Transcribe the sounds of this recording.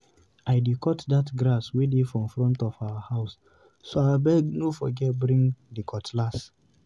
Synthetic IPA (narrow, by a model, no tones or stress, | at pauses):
aɪdekʰɔtdatɡɾaswedefɹɔ̃mfɹɔ̃ntɔfawahaʊsː | oabɛɡnofɔɡɛtbɹĩŋɡdikʰɔtlas